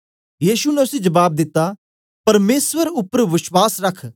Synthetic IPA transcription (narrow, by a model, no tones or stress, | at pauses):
jiːʃunɛʊsĩd͡ʒɐbaːb̚d̪ɪt̪ːa | pɐɾmeːsʋəɾʊpɾʋɪʃwaːsɾɐkʰ